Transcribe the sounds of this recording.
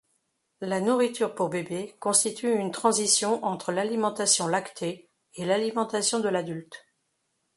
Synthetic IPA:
lanuʁit̪yʁpuʁbebekɔ̃st̪it̪ʰyynt̪χɑ̃zisjɔ̃ʔɑ̃t̪χəlalimɑ̃t̪asjɔ̃lakt̪ʰe | elalimɑ̃t̪asjɔ̃d̪əlad̪ylt̪

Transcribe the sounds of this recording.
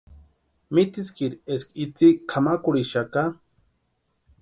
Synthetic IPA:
mit̪iskiɾieskit͡sikʰamakuɽiʃaka

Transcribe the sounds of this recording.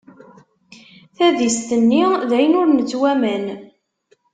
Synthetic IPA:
θæðist̪ənːiðæjənʊɾnət͡sːwæmæn

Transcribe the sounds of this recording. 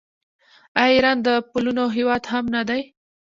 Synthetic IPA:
ajiɾɑnd̪əpulunoɦewɑd̪hamnad̪aj

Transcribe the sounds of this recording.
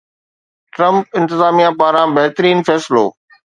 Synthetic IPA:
ʈɾɐ̃mp̚ɪ̃nt̪ɪzaːmijãpaːɾãbɐɦt̪əɾiːnfɛːsɪlo̰ː

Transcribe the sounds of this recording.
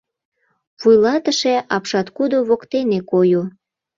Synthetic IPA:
βujlɑt̪əʃeɑpʃɑt̪kud̪oβokt̪enekoju

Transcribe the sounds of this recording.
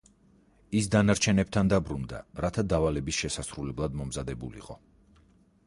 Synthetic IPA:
isd̪anaɾt͡ʃʰɛnɛp̚t̪ʰand̪abɾund̪a̰ɾat̪ʰad̪avalɛbisʃɛsasɾulɛblˠad̪mɔmzad̪ɛbṵlḭḭqʼɔ

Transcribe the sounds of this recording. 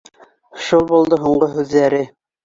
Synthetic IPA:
ʃulˠbulˠd̪ɤɦuɴɢoɦʉðːæɾɘ

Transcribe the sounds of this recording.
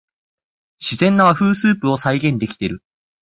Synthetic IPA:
ɕizẽ̞nːaaɸɯ̟ːsɨːpɯ̟o̞saiɡẽ̞nd̪e̞kʲi̥t̪e̞ɾɯ̟

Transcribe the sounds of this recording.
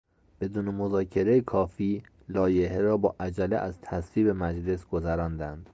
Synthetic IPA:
b̥e̞d̪uːne̞mozɒːcʰe̞ɾejekʰɒːfiː | lɒːjeheɾɒːbɒːʔæd͡ʒælḛʔæzt̪ʰæsviːbe̞mæd͡ʒle̞sɡ̥o̞zæɾɒːnd̪ænd̪̥

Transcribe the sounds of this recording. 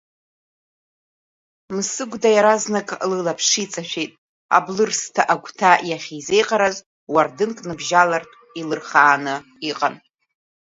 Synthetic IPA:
msɨɡʷdajaɾaznakʼlɨlapʰʂit͡sʼaʃᶣejtʼ | a̰blɨrstʰaʔaɡʷtʰajaχʲize̞jqʼaɾaz | wardɨnkʼnɨbʒalartʼ | ilɨrχaːnɨ | iqʼan

